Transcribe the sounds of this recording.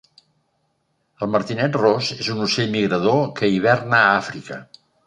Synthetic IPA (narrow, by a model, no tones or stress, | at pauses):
əlˠməɾt̪inɛt̪rozezunuseʎmiɣɾəðokəiβ̞ɛrnəafɾikə